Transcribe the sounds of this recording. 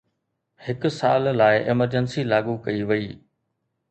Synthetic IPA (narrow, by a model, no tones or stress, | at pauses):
hɪkʊ̆saːlːaːɪʔɛməɾd͡ʑənsilaːɠukɐiʋɐiː